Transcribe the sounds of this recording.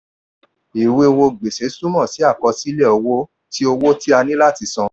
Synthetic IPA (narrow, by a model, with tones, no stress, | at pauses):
i˨we˧wo˧ɡ͡be˨se˨˦su˦mɔ̃˦˨si˨˦a˦˨kɔ˧si˦lɛ˦˨ɔ˧wo˦ | ti˦o˧wo˦ti˦a˧nĩ˦la˦˨ti˧sɔ̃˧